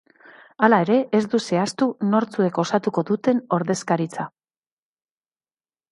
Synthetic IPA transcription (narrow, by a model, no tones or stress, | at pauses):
alae̞ɾe̞ʔezd̪use̞ast̪uno̞ɾt͡sue̞ko̞sat̪uko̞ðut̪e̞no̞ɾðe̞skaɾit͡sa